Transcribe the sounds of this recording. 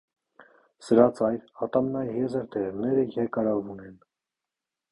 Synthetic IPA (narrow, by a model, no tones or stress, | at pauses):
səɾɑt͡sɑjɾɑt̪ɑmnɑjjɛzəɾd̪ɛɾɛʁnɛɾəjɛɾkɑɾɑvunɛn